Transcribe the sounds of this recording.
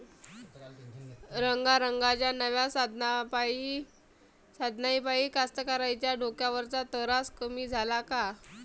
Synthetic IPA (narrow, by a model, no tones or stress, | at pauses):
ɾəŋɡaɾəŋɡat͡ɕjanəʋjasd̪pi | sad̪ʱnaipaikast̪əkaɾajt͡ɕjaɖʱokjaʋəɾt͡sat̪əɾaskəmiːd͡zʱalaka